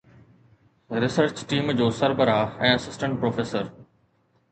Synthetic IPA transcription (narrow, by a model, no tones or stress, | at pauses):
ɾɪsəɾt͡ɕʈiːmd͡ʑoːsɐɾbəɾaɛ̃ːɐsɪsʈə̃ɳʈ̚pɾoːfeːsəɾ